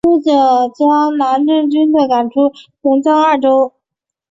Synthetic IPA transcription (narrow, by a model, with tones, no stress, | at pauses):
u˥ʈ͡ʂɤ˨˩t͡ɕjɑ˥ŋna˧˥nʈ͡ʂə˥˩ŋt͡ɕy˥nd̪ə˨ka˨˩nʈ͡ʂʰu˥t͡ɕɛ˧˥nt͡ɕɑ˥ŋa˥˩ʈ͡ʂo˥ʊ